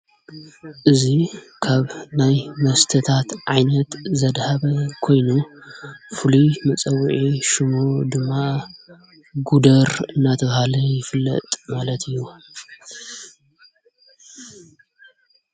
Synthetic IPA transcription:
ʔɨzikʰaβnajmɐst̪ʰɐt̪ʰat̪ʕajnɐt̪zɐd̪haβɐkʰo̞jnu | fɨlinɨt͡sʼɐwːʕiʃɨmod̪ɨmːa | ɡud̪ɐɾɨnːat̪ʰɐβhalɐjɪfɨlːɐ̰t̪ʼmalɐt̪ʰɨjːu

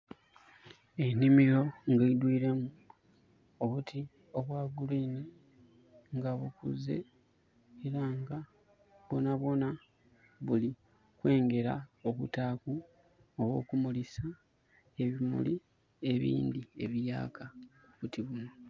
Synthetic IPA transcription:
e̞nimiɾo̞ŋɡeidwiːɾe̞mu | o̞βutʰi | o̞βwaːɡuliːni | ŋɡaβukṵze̞̰ | eɾaŋɡa | βo̞naβo̞na | βuli | kwe̞ːŋɡe̞ɾa̰o̞βutaːku | oβo̞̰ːkumulisa | e̞βimṵli | e̞βḭːndie̞βija̰ːkʰa | uβutiβuno̞

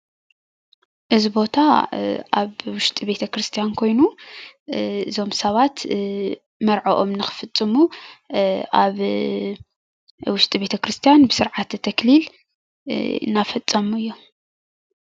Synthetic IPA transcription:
ʔɨzibo̞t̪ʰaʔa̰βwʊʃt̪ʼibe̞t̪ʰɐkɾɨst̪ʰijankʰo̞jnu | ɨzo̞msɐβat̪ | mɐɾʕoʔo̞mnɨxɨ̥fɨt͡sʼːɨmu | aβ | wʊʃt̪ʼibe̞t̪ʰɐkɾɨst̪ʰijanbɨsɨɾʕat̪t̪ʰːɐklil | ɨ̰nːafɐt͡sʼːɐmuɨjːo

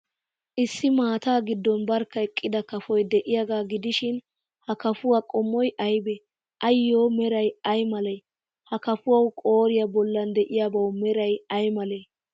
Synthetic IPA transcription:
ʔɪsːɪmaːt̪aːɡɪd̪ːɔnbɐɾkːɐɛkʼːɪd̪ɐkɐfɔjd̪ɛʔɪjaɡaːɡɪd̪ɪʃɪn | hɐkɐfʊwakʼɔmːɔjʔɐjbɛ | ʔɐjːoːmɛɾɐjɐjmɐlɐj | hɐkɐfʊwɐwkʼo̞ːɾɪjɐbɔlːɐnd̪ɛʔɪjabɐwmɛɾɐjɐjmɐlɛ

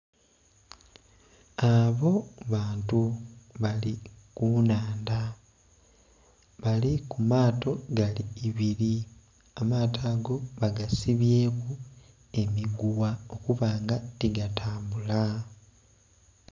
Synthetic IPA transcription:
aβo̞βaːntuβalikunaːnda | βalikumaːto̞ɡaliːβiɾi | amaːtaːɡo̞βaɡasiβje̞ːku | e̞miɡuwao̞kuβaːŋɡatiɡatʰaːmbula

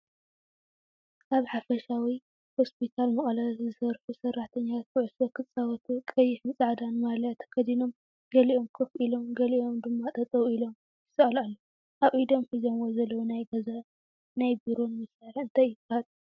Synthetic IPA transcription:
ʔaβħafɐʃawi | ho̞spʰit̪ʰalmɐχʼɐlazɨsɐɾfusɐraħt̪ʰɐɲːawt̪̚kʰɨʕʊsokʰɨt͡sʼawɐt̪ʰukʼɐjːɪħɨnt͡sʼaʕd̪anmalat̪ʰkʰɐd̪ino̞m | ɡɐliʔo̞mkʰɨfilo̞mɡɐliʔo̞md̪ɨmːat̪ʼɐt̪ʼɐwilo̞m | ɨsɐɐlalːo | ʔawʼʔid̪o̞mħɨzomwozɐlːɐwonajɡɐza | najbiɾo̞nmɨsaliɨnt̪ʰɐjukat̪ʼ

